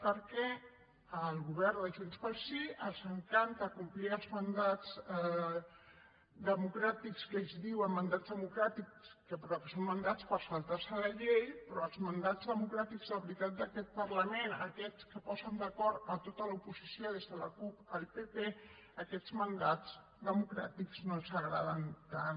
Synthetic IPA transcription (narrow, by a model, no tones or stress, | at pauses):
pəɾkɛ | əlˠɣuβɛɾnd̪əʒunspəlsiʔənzəŋkant̪əkumpliəlˠzmənd̪ad͡z | d̪əmukɾat̪ikskezðiwəmːənd̪azðəmukɾat̪ikskəpɾɔkəsomːənd̪at͡spəɾsəlˠt̪arsələʎejpɾɔəlˠzmənd̪azðəmukɾat̪iɡzðəβɾit̪at̪̚d̪əkɛt̪̚pəɾləmenəkɛt͡skəpɔzənd̪əkɔɾt̪ət̪ot̪ələupuzisjoðezðələkupəlˠpepe | əkɛzmənd̪ad͡z | d̪əmukɾa̰t̪ikznosəɣɾað̞ənt̪an